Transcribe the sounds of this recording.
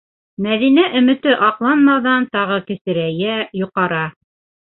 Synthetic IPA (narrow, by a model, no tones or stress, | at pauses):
mæðinæʔɵ̆mɘ̆t̪ɘʔɑqlˠɑnmɑðɑnt̪ɑʁɤkɘ̆sɘ̆ɾæjæjŭqɑɾɑ